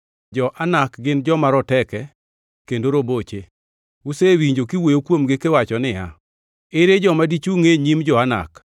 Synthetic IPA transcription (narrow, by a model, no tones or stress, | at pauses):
d͡ʒɔʔanakɡɪnd͡ʒɔmaɾɔtɛkɛ | kendoɾobot͡ʃe | usewiɲd͡ʒokiwojokwomɡekewat͡ʃɔnɪja̰ | eɾed͡ʒɔmadit͡ʃuŋeɲimd͡ʒɔana̰k